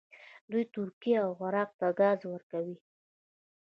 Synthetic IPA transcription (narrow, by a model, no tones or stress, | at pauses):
d̪ujt̪ʊɾkiawɣaɾɑq̚t̪aɡɑzwəɾkawi